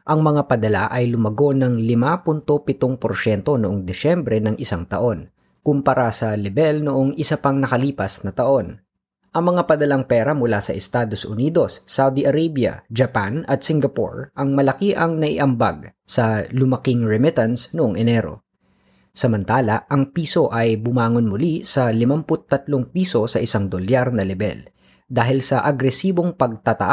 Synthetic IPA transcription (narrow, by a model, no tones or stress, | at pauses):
ʔɐŋmɐŋapɐd̪ɐla̰ʔɐjlʊmɐɡo̞nɐŋlɪmapʊnt̪o̞pɪt̪oŋpoɾʃɛnt̪o̞nʊʔoŋd̪ɪʃɛmbɾɛnɐŋʔɪsaŋt̪ɐ̰ʔo̞n | kʊmpɐɾʔasɐlɛbɛlnʊʔo̞ŋʔɪsɐpɐŋnɐkɐliːpɐsnɐt̪ɐʔo̞n | ʔɐŋmɐŋapɐd̪ɐlaŋpɛːɾɐmʊlasɐʔɛst̪aːd̪o̞sʔʊniːd̪o̞sːawd̪iʔɐɾejbjɐ̰d͡ʒɐpanɐt̪sɪŋɡɐpo̰ɹʔɐŋmɐlɐkiʔɐŋnɐʔɪ̰ʔɐmba̰ɡ̚sɐlʊmɐkɪŋɹɛmɪt̪ɐnsnʊʔoŋʔɛnɛɾo̞̰ | sɐmɐnt̪aːlɐʔɐŋpiːso̞ʔɐjbʊmaːŋonmʊlisɐlɪmampʊt̪ːɐt̪lo̞ŋpiːso̞sɐʔɪsaŋd̪oljaɾnɐlɛbɛ̰l | d̪aːɦɪlsɐʔɐɡɾɛsiːbo̞ŋpɐɡ̚t̪at̪ɐ̰ʔ